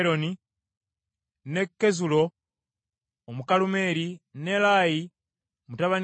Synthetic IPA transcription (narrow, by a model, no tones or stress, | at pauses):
ɾo̞ni | ne̞kːezulo̞ | mukalume̞ːɾine̞laːji | omutaβan